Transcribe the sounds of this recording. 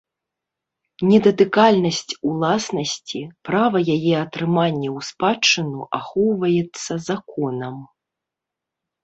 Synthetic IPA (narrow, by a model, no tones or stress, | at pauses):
nʲɛd̪ɐt̪ɨkalʲnɐsʲt͡sʲulˠasnɐsʲt͡sʲipɾavɐjajɛɐt̪ɾɨmanʲːɛwspat͡ʂːɨnuʔaxɔwvɐjɛt̪sːɐzakɔnɐm